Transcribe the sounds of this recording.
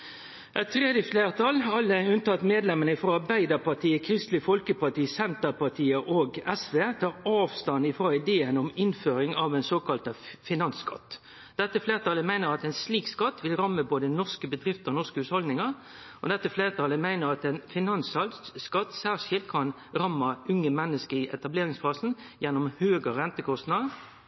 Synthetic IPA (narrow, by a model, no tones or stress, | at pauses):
ʔɛt̪ʰːʁeːd̪jəfleːʁt̪ʰɑlɑlːəʉnt̪ɑt̪ːmeːd̪lɛmənəfʁoːɑbæɪd̪əpɑt̪ʰiːəkʰɾɪst̪lɪfɔlkəpɑt̪iːsɛnt̪əpɑt̪ʰiːəʔoːɡɛsʋeːt̪ʰɑːɾɑːʋst̪ɑnɪfʁoːɪd̪eːənɔmɪnføːɾɪŋɑʋɛɪnsoːkɑlt̪əfɪnɑnskɑ̰t̪ː | d̪̥ɛt̪ːəfleːʁət̪ʰɑləmæɪnəɾɑt̪ɛnsliːkskɑt̪ːʋɪlʁɑmːəboːd̪ənɔʁskəbəd̪ʁɪft̪əɔnɔʁskəhʉːt̪hɔld̪nɪŋɑɾ | ʔɔd̪ɛt̪ːəfleːʁət̪ʰɑləmæɪnəɾɑt̪ɛnfɪnɑnshɑlskɑt̪ːsæːʁʂɪlt̪kʰɑn | ʁɑmːɑʉŋəmɛnːəskəɪʔɛt̪ɑbleːʁɪŋsfɑːsn̩ | jɛnːʊmhøːɡəɾɛnt̪əkʰɔst̪nɑd̪ə